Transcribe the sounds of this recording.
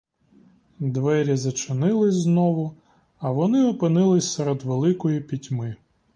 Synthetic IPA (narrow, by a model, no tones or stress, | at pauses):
d̪ʋɛɾʲizɐt͡ʃɪnɪlˠɪznɔʋʊ | ɐʋɔnɪɔpɪnɪlˠɪsʲseɾed̪ʋelˠɪkɔjipʲitʲmɪ